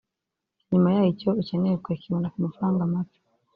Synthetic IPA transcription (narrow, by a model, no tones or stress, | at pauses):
ɲumajaːjicoiceneɾekwekiβondakumafaɾaːŋɡamatu̥